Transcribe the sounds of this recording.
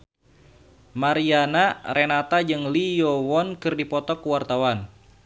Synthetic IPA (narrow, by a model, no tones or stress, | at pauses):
maɾianarenat̪ad͡ʒɨŋlijɔwɔnkɨrdipɔt̪ɔkuwart̪awan